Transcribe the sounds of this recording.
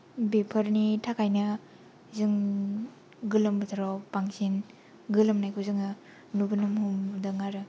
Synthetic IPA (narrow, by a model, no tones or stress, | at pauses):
bepʰɐɾnitʰakʰajnɐ | zɯŋ | ɡɯlɯmbɯtʰaɾɔpaŋsin | ɡɯlɯmnajkʰozɯŋa | nubɯnumhumdɐŋaɾɯ